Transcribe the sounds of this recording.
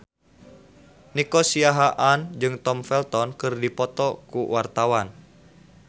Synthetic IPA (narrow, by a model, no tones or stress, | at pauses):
nikɔsiaɦaʔand͡ʒɨŋt̪ɔmfɛlt̪ɔnkɨrdipɔt̪ɔkuwart̪awan